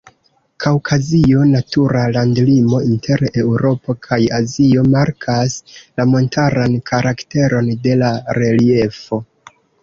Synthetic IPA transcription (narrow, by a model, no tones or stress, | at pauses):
kʰawkʰazio̞natuɾalandlimo̞intʰe̞ɾe̞wɾo̞po̞kʰajazio̞maɾkʰaslamo̞ntʰaɾankʰaɾʔakte̞ɾo̞nde̞laɾe̞lie̞fo̞